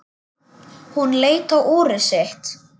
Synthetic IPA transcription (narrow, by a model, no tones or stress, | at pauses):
hunleːjt̪awʔɔːɾɪseht̪